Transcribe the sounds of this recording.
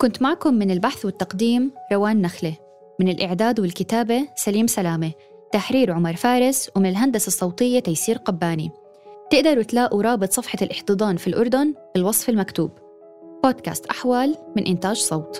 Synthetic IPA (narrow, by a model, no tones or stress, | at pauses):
kʊnt̪maʕkʊmːɪnɪlbaħθwɪt̪ːɑqd̪iːmɾˤɑwaːnːaxle | mɪnɪlʔɪʕd̪aːd̪wɪlkɪt̪aːbesaliːmsalaːme | t̪aħɾiːɾʕʊmɑɾˤfaːɾɪswmɪnɪlɦand̪asɑsˤːɑwt̪ˤɪjːat̪ajsiːɾqabːaːni | t̪ɪʔd̪ɑɾˤwɪt̪laːʔuɾˤɑːbɨt̪ˤsˤɑfħɑlʔɪħt̪ɨd̪ˤɑːnfilʔʊɾˤd̪ʊnfɪlwɑsˤfɪlmakt̪uːb | b̥oːd̪ka̰ːst̪ʔaħwaːlmɪnʔɪnt̪aːʒsˤɑwt̪